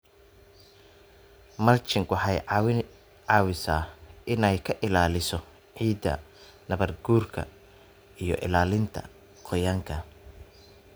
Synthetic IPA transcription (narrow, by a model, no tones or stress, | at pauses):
mɐlt͡ʃɪŋwɑħɑjw | ʕɑːwɪsaːɪnɛjkʰɐʔɪlaːlɪsɔ | ʕiːd̪ːɐ̰ | nɐβɐrɡuːrkʰɐ̰ | ijɞ̰ʔɪ̰laːlɪnt̪ʰɐ̰ | qʰɔjaːŋkʰɐ